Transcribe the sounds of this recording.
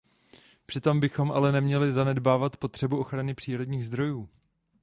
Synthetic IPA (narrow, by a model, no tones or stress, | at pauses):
pr̥ɪt̪o̞mbɪxo̞mʔalɛnɛmɲɛlɪzanɛdbaːvat̪po̞t̪r̝̥ɛbuʔo̞xɾanɪpr̥iːɾo̞dɲiːɣzd̪ɾo̞juː